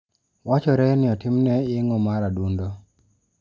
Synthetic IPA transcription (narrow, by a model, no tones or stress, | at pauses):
wat͡ʃɔɾɛnɪɔtɪmnɛɪŋɔmaɾadundo